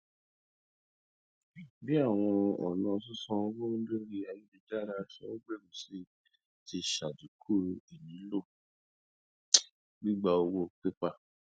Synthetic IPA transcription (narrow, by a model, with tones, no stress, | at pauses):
bi˦a˦˨w̃ɔ̃˧ɔ̰˨nã˨˧s̬u˦sɔ̃˧˦wo˦de˦ɾi˧a˨ji˦di˧d͡ʒa˦ɾa˧sɔ˦o˦ɡ͡be˦˨mũ˨se˦ | ti˧ʃa˨d͡ʒu˨kʰu˦˨e˨nĩ˨˦lo˦˨ | bĩ˦ɡ͡ba˧o˧wo˦˨k͡pe˦k͡pa˧